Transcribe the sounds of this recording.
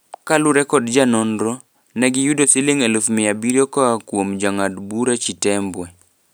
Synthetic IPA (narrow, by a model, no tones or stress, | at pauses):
kaluɾɛkɔdd͡ʒanɔndɾo | nɛɡɪjudosɪlɪŋelufmɪjabiɾjokɔakwomd͡ʒaŋadbuɾat͡ʃitɛmbwɛ